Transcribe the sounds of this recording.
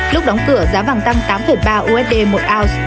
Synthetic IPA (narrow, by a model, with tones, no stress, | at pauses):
lʊ˦˥k͡p̚ɗɔ˨˦ŋ͡mkɨ˧˩əzaː˨˦vaː˨˩ŋt̪a˧ŋt̪aː˨˦mfəː˨˩jɓaː˧ʔu˧ʔɛ˦˥t̚ɗe˧mo˨˩t̚ʔaː˧wz